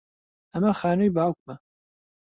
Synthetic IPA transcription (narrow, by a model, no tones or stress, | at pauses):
ɐmɐxaːnujbaːwk̚mɐ